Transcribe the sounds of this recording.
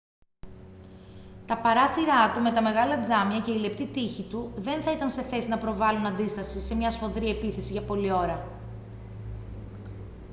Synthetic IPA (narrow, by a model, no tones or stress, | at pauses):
t̪ɐpɐɾɐθiɾɐt̪ume̞t̪ɐme̞ɣɐlɐd͡zɐmiɐce̞ile̞pt̪it̪içit̪uðe̞nθɐit̪ɐnse̞θe̞sinɐpɾo̞vɐlunɐnd̪ist̪ɐsise̞mɲɐsfo̞ðɾie̞piθe̞siʝɐpo̞lio̞ɾɐ